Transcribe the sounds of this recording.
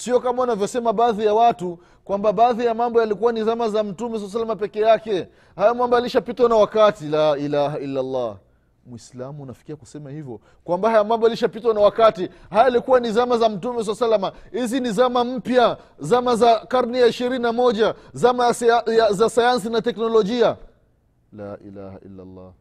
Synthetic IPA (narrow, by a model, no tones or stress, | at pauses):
siɔkamaunavjɔsɛmaɓaːðijawatu | kwambaɓaːðijamambɔjalikuwanizamazam̩tumɛs̬alːs̬alːamapɛkɛjakɛ | hajamambaliʃapitwanawakatilailahailːalːa̰ | mwislamuːnafi̥kiakusɛmahivjɔ | kwambahajamambɔaliʃapitwanawakati | hajaalikuwanizamazam̩tumɛs̬alsalːamahizinizamam̩pja | zamazakaɾnijaiʃiɾininamɔʄazamajazasajans̬inatɛknɔlɔʄia | la̰ːʔḭla̰ha̰ḭlːa̰lːa̰